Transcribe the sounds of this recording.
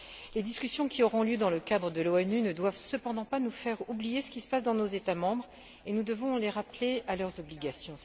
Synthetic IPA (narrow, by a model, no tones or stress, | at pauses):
led̪iskʲysjɔ̃kʲiɔʁɔ̃ljød̪ɑ̃ləkad̪ʁəd̪əloɛnynəd̪wavsəpɑ̃d̪ɑ̃panufɛʁublijesə̥kʲisə̥pasd̪ɑ̃nozet̪amɑ̃bʁ | enud̪əvɔ̃leʁaplealœʁzɔbliɡasjɔ̃